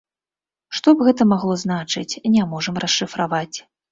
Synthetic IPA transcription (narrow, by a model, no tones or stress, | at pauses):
ʂt̪ɔbɣɛt̪ɐmaɣlˠɔzn̪at͡ʂɨt͡sʲnʲamɔʐɐmrɐsʂɨfɾavat͡sʲ